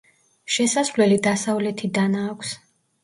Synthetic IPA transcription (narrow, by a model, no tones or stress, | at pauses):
ʃɛsasvlɛlid̪asavlɛt̪ʰid̪anaːkʷʰs